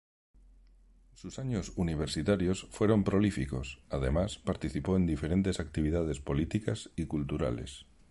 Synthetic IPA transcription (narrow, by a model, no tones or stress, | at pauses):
susaɲosuniβ̞eɾsit̪aɾjosfweɾo̞mpɾolifiko̞saðemaspaɾt̪iθipoend̪ifeɾent̪e̞sak̚t̪iβ̞iðað̞e̞spo̞lit̪ikasikult̪uɾa̰lḛs